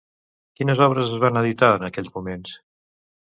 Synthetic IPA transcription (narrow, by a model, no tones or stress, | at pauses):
kinəzɔβɾəzəzβanəðit̪aənəkɛʎʲzmumens